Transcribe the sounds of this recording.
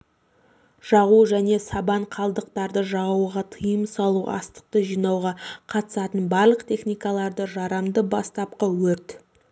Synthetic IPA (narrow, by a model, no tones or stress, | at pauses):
ʒ̥ɑʁuʒæne̞sɑbɑɴqʰɑlˠd̪əq̚t̪ɑɾd̪əʒɑʁuwʁɑt̪ʰəjəmsɑlˠuʔɑ̰st̪ə̥q̚t̪əʒijnɑwʁɑqʰɑt̪ə̥sɑt̪ənbɑɾlˠəqt̪ʰʲe̞χnijkɑlˠɑɾd̪əʒɑɾɑmd̪əbɑst̪ɑp̚qɑwɵɾt̪